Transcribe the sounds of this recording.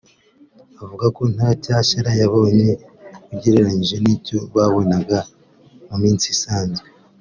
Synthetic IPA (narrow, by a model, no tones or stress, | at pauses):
avuɡako̞n̥hacaːʃaɾajaβo̞ːɲe̞uɟeɾeɾaɲiʒe̞nico̞βaβo̞naɡa | mumiːnt͡sisaːɲze